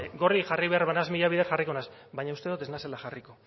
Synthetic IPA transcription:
ɡo̞rixariβe̞aɾβanazmiʎaβiðeɾxariko̞nas | βajɲaust̪eðut̪e̞znaselaxariko̞

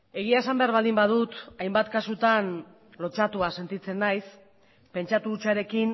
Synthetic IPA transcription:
e̞ɣ̞iae̞sambe̞aɾβ̞ald̪imbaðut̪ajmbat̪kasut̪an | lo̞t͡ʃat̪uase̞nt̪it͡se̞nːajs | pe̞nt͡ʃat̪ut͡ʃaɾe̞kin

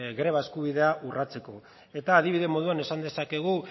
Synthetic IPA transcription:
ɣɾe̞βae̞skuβ̞iðe̞aʔurat͡se̞ko̞ | e̞t̪aːðiβiðe̞mo̞ð̞uane̞sand̪e̞sake̞ɣ̞u

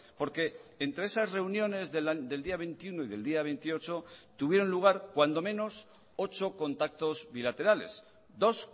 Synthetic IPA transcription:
po̞ɾke̞ːnt̪ɾe̞esasre̞unjõ̞ne̞zðelðe̞ld̪iaβe̞nt̪iunoiðe̞ld̪iaβ̞ent̪io̞t͡ʃo̞t̪uβje̞ɾo̞nluɣ̞aɾkwand̪o̞mẽ̞nos | o̞t͡ʃo̞ko̞nt̪ak̚t̪o̞zβilat̪e̞ɾale̞̰s | d̪o̞s

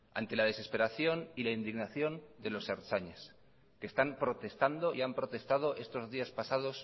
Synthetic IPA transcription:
a̰nt̪e̞lað̞e̞se̞spe̞ɾaθjo̞nilaind̪iɣnaθjo̞nd̪e̞lo̞seɾt͡ʃaɲes | ke̞ːst̪ampɾo̞t̪e̞st̪and̪o̞ʔiampɾot̪e̞st̪að̞o̞ʔe̞st̪o̞zðiaspasað̞o̞s

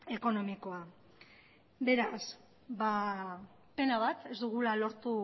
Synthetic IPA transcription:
e̞ko̞no̞miko̞a | be̞ɾas | ba | pe̞naβat̪e̞zd̪uɣ̞ulalo̞ɾt̪u

